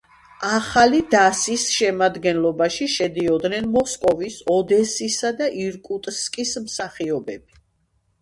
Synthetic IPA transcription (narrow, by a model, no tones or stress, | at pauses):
aχalid̪asisʃɛmad̪ɡɛnlɔbaʃiʃɛd̪iɔd̪nɛnmɔskʼɔvisɔd̪ɛsisad̪aʔiɾkʼut̪ʼskʼismsaχiɔbɛb̥i